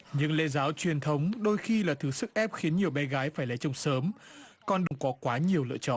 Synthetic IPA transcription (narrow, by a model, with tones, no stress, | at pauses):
ɲɨ̰˧˥ŋlḛ˧˥zaː˨˦wt͡ɕwi˨˩ənt̪ʰə˨˦wŋ͡mɗo˧jxi˧laː˨˩t̪ʰɨ˨˦sɨ˦˥k̚ʔɛ˦˥p̚xi˨˦nɲi˨˩əwɓɛ˧˩ɣaː˨˦jfaː˧˩jla˨˦jt͡ɕʊ˧˩wŋ͡msəː˨˦mkɔ˧nɗɨ˨˧˩wŋ͡mkɔ˨˦kwaː˨˦ɲi˨˩əwlɨ̰˧˨ət͡ɕɔ̰˧˨nʔ